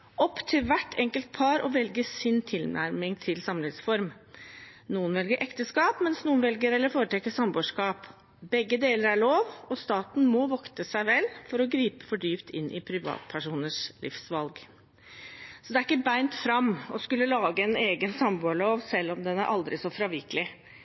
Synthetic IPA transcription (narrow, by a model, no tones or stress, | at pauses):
ɔpːt̪ʰɪlʋæʈːʰɛŋkəlt̪̚pʰɑɾɔʋɛlɡəsɪnt̪ʰɪlnʔæ̰ɾmɪŋt̪ʰɪlsɑmlɪŋsfɔɾm | nuːənʋɛlɡəɾʔɛkt̪əskɑːpmɛnsnuːənʋɛlɡəɾɛlːəɾfoːɾət̪ʰɛkːəsɑmboːʂkɑːp | bɛɡːəd̪eːləɾæɭoːʋɔst̪ɑːt̪n̩mɔʋɔkt̪əsæɪʋɛlfɔɾɔɡɾiːpə̥fɔɖyːpt̪ʰɪ̰nʔɪ̰pʰɾɪʋɑ̰ːt̪̚pʰæʂuːnəʂlɪ̰fsʋɑlɡ | sɔd̪ɛæɾɪkːəbæɪnt̪fɾɑmɔskʉlːəlɑːɡəɛneːɡənsɑmboːɭoːʋsɛlːɔmd̪ɛnæɾʔɑld̪ɾɪsɔfɾɑːʋɪkəlɪ